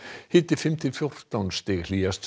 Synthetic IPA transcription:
hɪt̪ɪfɪmt̪ʰɪfjowr̥t̪awnst̪ɪːɣliːast̪

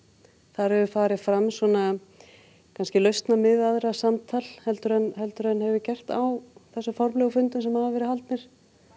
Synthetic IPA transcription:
θaɾhɛvʏfaːɾɪfɾamsɔna | kʰanscɪlœɥst̪namɪðaðɾasamt̪ʰal̥hɛlt̪ʏɾɛnhɛlt̪ʏɾɛnhɛvʏcɛr̥t̪a̰wθɛsːʏfɔɾmlɛɣʏfʏnt̪ʏmsɛmhavvɛɾɪhalt̪nɪɾ̥

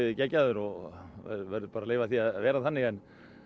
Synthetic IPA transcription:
ðɪcɛcːaðʏɾɔɣɛ̰vɛɾðʏpaɾaleːjvaθiaðvɛːɾaθanːɪɣɛn

